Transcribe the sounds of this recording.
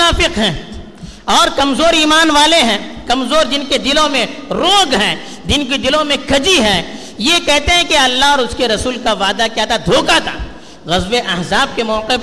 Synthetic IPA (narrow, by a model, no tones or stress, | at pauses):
aːfɪqɦɛ̃ː | ɔːɾkɐmzoːɾiːmaːnʋaːleɦɛ̃ːkɐmzoːɾd͡ʒɪnked̪ɪlõmẽɾõːɡɦɛ̃ː | d͡ʒ̪ɪnked̪ɪlõmẽkʰɐd͡ʒiɦɛ̃ː | jekɛɦt̪eɦɛ̃keɐlːaɦɔːɾʊskeɾɐsuːlkaʋaːd̪akjaːt̪ʰad̪ʱoːkat̪ʰa̰ː | ɣɐzbeʔɐɦzaːb̚kemɔːqɪf